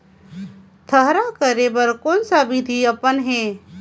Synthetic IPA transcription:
t̪ʰəɦɾakəɾebəɾkoːnsaʋid̪ʱiəpənɦɛ

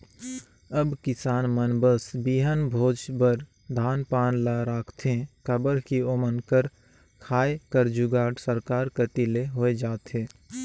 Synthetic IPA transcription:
əbkɪsaːnmənbəsbiɦənbʱoːd͡ʒbəɾ | d̪ʱaːnpaːnlaɾaːkʰt̪ʰẽkəbəɾkiomənkəɾ | kʰaːekəɾd͡ʒuɡaːɖsəɾkaːɾkət̪ileɦoːed͡ʒaːt̪ɦeː

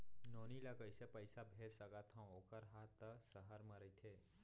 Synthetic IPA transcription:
noːnilɐkəɪsepəɪsabʱeːd͡ʒsəɡat̪ʰãoːkəɾɦaːt̪ːsəɦəɾməɾəit̪ʰeː

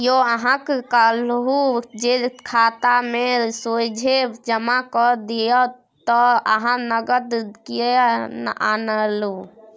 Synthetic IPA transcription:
joəɦãkkəlɦud͡ʒekʰat̪amesod͡ʒʱed͡ʒəmakɔd̪ijɔ | t̪ɔəɦãnəɡəd̪ki | a̰nəlu

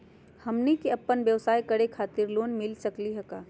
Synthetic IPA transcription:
hɐmnikiɐpːənʋjɐʋsaːikɐɽekʰaːt̪ɪɾloːnmɪlsɐkliɦɐkaː

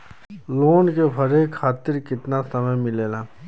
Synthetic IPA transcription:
loːnkepʰɐɾekʰːaːt̪ɪɾkɪt̪nasɐməjmɪleːlaː

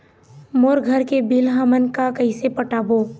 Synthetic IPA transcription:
moːɾɡʱəɾkebilɦəmənkakɐisepəʈaːboː

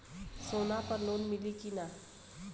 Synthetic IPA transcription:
soːnapəɾnoːnmɪlikina

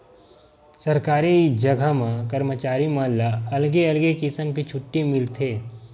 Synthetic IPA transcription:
sɐɾkaːɾid͡ʒɐɡʱamãkəɾmət͡ʃaːɾimaːlːaɐlɡeɐlɡekisəmkit͡ʃʰʊʈːimɪlt̪ʰeː

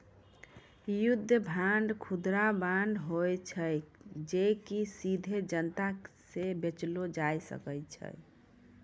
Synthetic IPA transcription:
jud̪ʱːəbʱanɖkʰud̪ɾabaɳɖɦojt͡ʃʰəjd͡ʒekisid̪ʱed͡ʒənt̪asebet͡ʃlod͡ʒajsə̰kəjt͡ʃʰə̰

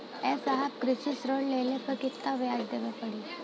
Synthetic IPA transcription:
ɛsəɦat̪kɾiɕisɾoɽlejlẽpəkit̪ːaʋjad͡zd̪eʋepəɽi

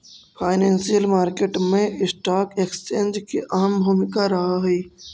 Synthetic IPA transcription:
pʰaːɪnẽːnsijəlmaːɾkeːʈmẽɪsʈaːkeːkst͡ʃẽːnd͡ʒkiʔɐɦəmbʱuːmɪkaɾɐɦaɦɛː

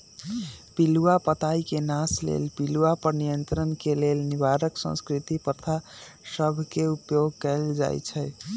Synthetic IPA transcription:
piluwapət̪aikenaslḛlpiluwapəɾnijənt̪ɾənkelelnibaɾəksə̰̃nskɾit̪ipət̪ʰa | səbʱkeupjoɡ̚kɛɪld͡ʒa̰jt͡ʃʰɛj

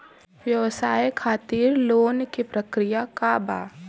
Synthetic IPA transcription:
ʋjɐʋsaːjkʰaːt̪iːɾloːnkipɾɐkɾijakaːba̰ː

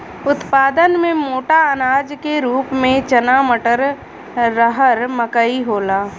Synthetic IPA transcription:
ʊt̪paːd̪ənmẽmoːʈaənaːd͡ʒkeɾuːpmẽt͡ʃənaːməʈəɾ | ɾəɦəɾməkəiɦoːlaː

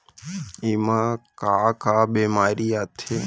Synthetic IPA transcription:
imãkakaːbeːmaːɾiːat̪ʰe

